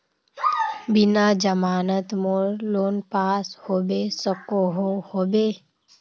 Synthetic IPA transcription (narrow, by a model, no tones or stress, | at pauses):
bɪnad͡ʒəmaːnət̪moɾloːnpaːshoːbesəkoɦohoːbeː